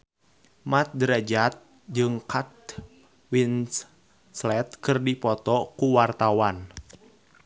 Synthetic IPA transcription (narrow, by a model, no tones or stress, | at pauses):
mat̪̚dɾɛd͡ʒat̪̚ | d͡ʒɨŋkat̪̚ | win | slɛt̪̚kɨrdipɔt̪ɔkuwart̪awan